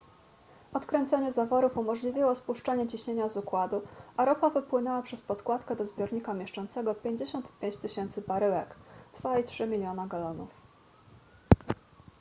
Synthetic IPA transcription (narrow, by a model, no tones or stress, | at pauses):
ɔt̪kɾɛnt̪sɛɲɛzavɔɾufumɔʐlʲivʲiwɔspuʂt͡ʂaɲɛt͡ɕiɕɲeɲazukwad̪uaɾɔpavɘpwɘnɛwapʂɛspɔt̪kwat̪kɛd̪ɔzbʲjɔɾɲikamʲjɛʂt͡ʂɔnt̪sɛɡɔpʲjeɲd͡ʑeɕɔnt̪pʲjeɲt͡ɕt̪ɘɕɛnt̪sɘbaɾɘwɛkd̪̥vaitʂɘmʲilʲjɔnaɡalɔnṵf